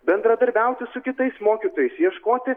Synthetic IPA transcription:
bʲɛnd̪ɾɐd̪ɐɾʲbʲɛʊt̪ʲɪsʊkʲɪt̪ɐɪsmoːkʲit̪oːjɛɪsjiɛʃkoːt̪ʲɪ

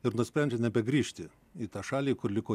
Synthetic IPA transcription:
ɪɾnʊsʲpʲɾʲɛnʲd͡ʒʲɛnʲɛbʲɛɡɾʲiːʃʲt̪ʲɪ | iːt̪ɑːʃɑːlʲiːkʊrlʲɪkoː

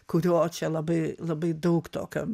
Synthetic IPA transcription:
kʊɾʲuɔt͡ʃʲɛlˠɐbɐɪlˠɐbɐɪd̪ɐʊkt̪o̰ːkʲo̰

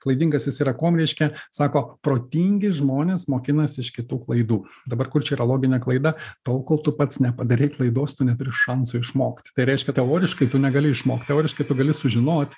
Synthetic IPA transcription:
klˠɐɪd̪ʲiŋɡɐsjɪsʲiɾɐkoːmɾʲɛɪʃʲkʲɛsɑːkoːpɾoːt̪ʲiːŋʲɡʲɪsʒmoːnʲeːsmoːkʲɪnɐsʲɪʃkʲɪt̪uːklˠɐɪd̪uːd̪ɐbɐrkʊrt͡ʃʲɛiːɾɐlˠoːɡʲɪnʲeklˠɐɪd̪ɐt̪oːlˠkoːlˠt̪ʊpɐt̪snʲɛpɐd̪ɐɾʲɛɪklˠɐɪd̪oːst̪ʊnʲɛt̪ʊɾʲɪʃɐnsʊɪʃmoːkt̪ʲt̪ɐɪɾʲɛɪʃʲkʲɛt̪ʲɛoːɾʲɪʃkɐɪt̪ʊnʲɛɡɐlʲɪɪʃmoːkt̪ʲɛoːɾʲɪʃkɐɪt̪ʊɡɐlʲɪsʊʒʲɪnoːt̪ʲ

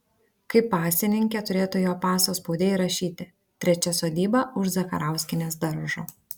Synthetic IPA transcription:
kɐɪpːɑːsʲɪnʲɪŋʲkʲɛt̪ʊɾʲeːt̪ujoːpɑːsoːspɔʊd̪ʲeːɾɐʃʲiːt̪ʲɪ | t̪ʲɾʲɛt͡ʃʲɛsoːd̪ʲiːbɐʊʃzɐkɐ̰ɾɑˑʊsʲkʲɪnʲeːsd̪ɐɾʒoː

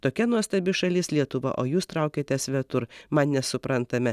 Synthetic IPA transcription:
t̪oːkʲɛnuɔsʲt̪ɐbʲɪʃɐlʲɪslʲiɛt̪ʊʋɐ̰ʔoːjuːst̪ɾɑˑʊkʲeːt̪ʲɛsʋʲɛt̪ʊɾmɐnnʲɛsʊpɾɐnt̪ɐmʲɛ

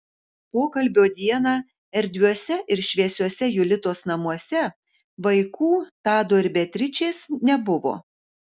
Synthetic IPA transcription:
poːkɐlʲbʲoːd̪ʲiɛnɑː | ɛɾʲd̪ʲʋʲuɔsʲɛʔɪɾʃʲʋʲiɛsʲuɔsʲɛjʊlʲɪt̪oːsnɐmuɔsʲɛ | ʋɐɪkuːt̪ɑːd̪oːɪɾʲbʲɛt̪ʲɾʲɪt͡ʃʲeːsnʲɛbʊʋo̰ː

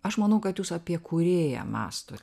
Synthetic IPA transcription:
ɐʃmɐnɐʊkɐt̪juːsɐpʲiɛkuːɾʲeːjæ̰mɑ̰ːst̪oː

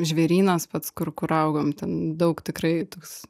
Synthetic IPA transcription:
ʒʲʋʲeːɾʲiːnɐspɐt̪skʊrkʊɾɐʊɡoːmt̪ʲɛnd̪ɐʊkt̪ʲɪkɾɐɪt̪oːks

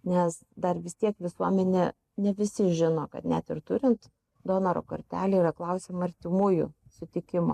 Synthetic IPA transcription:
nʲɛs | d̪ɐrʋʲɪst̪ʲiɛkʋʲɪsuɔmʲɛnʲe | nʲɛʋʲɪsʲɪʒʲɪnoːkɐ̰t̪nʲæt̪ɪrt̪ʊɾʲɪnt̪ | d̪oːnɐɾo̰ːkɐ̰ɾʲt̪ʲæːlʲeiːɾɐklˠɐʊsʲeːmɐɾʲt̪ʲɪmuːjʊ̰sʊt̪ʲɪkʲɪmo̰ː

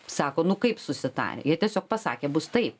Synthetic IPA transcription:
sɑːkoːnʊkɐɪpsʊsʲɪt̪ɑ̰ːɾʲḛːjiɛt̪ʲiɛsʲoːk̚pɐsɑ̰ːkʲeːbʊst̪ɐɪp

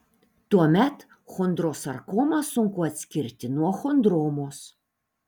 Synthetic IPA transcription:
t̪uɔmʲɛt̪ | xond̪ɾoːsɐɾkoːmɑsʊŋkʊɐt̪ʲsʲkʲɪɾʲt̪ʲɪnuɔxond̪ɾoːmoːs

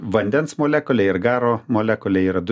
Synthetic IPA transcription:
ʋɐnʲd̪ʲɛnsmoːlʲæːkʊlʲɛɪɾɡɑːɾoːmoːlʲæːkʊlʲɛiɾɐd̪

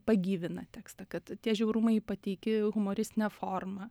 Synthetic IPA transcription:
pɐɡʲiːʋʲɪnɐt̪ʲæːkst̪ɐkɐt̪t̪ʲiɛʒʲɛʊɾʊmɐɪpɐt̪ʲɛɪkʲɪɣʊmoːɾʲɪst̪ʲɪnʲɛfoːrmɐ

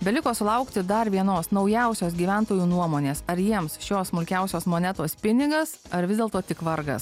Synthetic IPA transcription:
bʲɛlʲɪkoːsʊlˠɐʊkt̪ʲɪd̪ɐɾʋʲiɛnoːsnɒʊjɛʊsʲoːs̬ɡʲiːʋʲɛˑnt̪oːjuːnuɔmoːnʲeːsɐɾjiɛmsʃʲoːssmʊlʲkʲɛʊsʲoːsmoːnʲɛt̪oːspʲɪnʲɪɡɐs | ɐɾʋʲɪzd̪ʲeːlˠt̪oːt̪ʲɪkʋɐɾɡɐ̰s

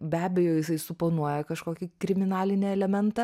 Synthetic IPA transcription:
bʲæːbʲɛjoːjɪsɐɪsʊpoːnuɔjɛkɐʃkoːkʲɪkɾʲɪmʲɪnɑːlʲɪnʲeɛlʲɛmʲɛnt̪ɐ

